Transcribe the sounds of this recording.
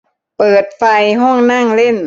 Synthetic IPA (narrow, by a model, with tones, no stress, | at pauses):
pɤː˨˩t̪̚fa˧jɦɔ˥˩ŋna˥˩ŋle˥˩n